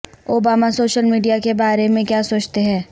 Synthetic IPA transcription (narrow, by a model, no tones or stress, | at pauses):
oːbaːmasoːʃəlmiːɖijakebaːɾemẽkjaːsoːt͡ʃt̪eɦɛ̃ː